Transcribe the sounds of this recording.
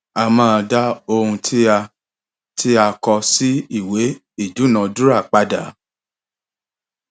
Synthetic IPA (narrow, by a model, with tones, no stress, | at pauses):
a˧mãː˦˧da˦o˧hũ˧tʰi˦a˧ | tʰi˦a˧kɔ˧si˦i˦˨we˨˦ | i˦˨d͡ʒu˨˦˨nã˨˧du˦ɾa˦˨k͡pa˧da˨˦